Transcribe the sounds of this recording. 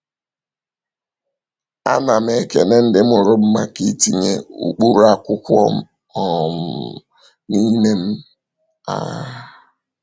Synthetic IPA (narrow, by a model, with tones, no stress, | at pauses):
a̰˦na˨m̩˦e˦ke˨ne˦n̩˦dɪ˦m̩˦ʊ˨ɾʊ˦m̩˦ma˦ki˦ti˦ɲḛ˦ṵ˨k͡pu˦ɾu˦a˦kʷʊ˦kʷɔ̰˦m̩˦ | ɔ˨m̩˨ | ni˦me˦m̩˦ | a̰˨